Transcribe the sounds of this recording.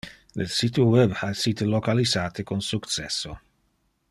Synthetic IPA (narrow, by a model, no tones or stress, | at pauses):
lesit̪uwɛbasit̪elokalizaːt̪ekonsukt͡ʃɛ̰sːo